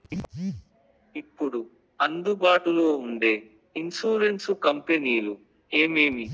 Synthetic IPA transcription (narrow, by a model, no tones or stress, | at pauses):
ipːuɽu | ɐnd̪ubaːʈuloːuɳɖe̞ː | insuːɾensukɐmpeniːlu | e̞ːme̞ːmi